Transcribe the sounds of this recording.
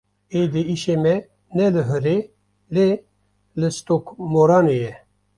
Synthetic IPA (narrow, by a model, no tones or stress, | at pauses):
ed̪iiʃemɛ | nɛlɨɦəɾe | le | lɨst̪okmoɾɑːnejɛ